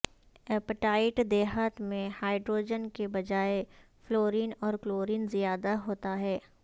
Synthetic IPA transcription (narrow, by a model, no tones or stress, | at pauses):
ɛːpəʈaːɪʈd̪ɛːɦət̪mẽhaːɪɖɾoːd͡ʒənkebɐd͡ʒaːe | floːɾiːnɔːɾfloːɾiːnzijaːd̪aɦoːt̪aɦɛː